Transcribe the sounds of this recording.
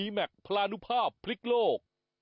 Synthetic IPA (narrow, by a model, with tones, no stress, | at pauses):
iː˧mɛ˨˩k̚pʰɾaː˧nu˦˥pʰaː˥˩pʰːli˦˥k̚loː˥˩k̚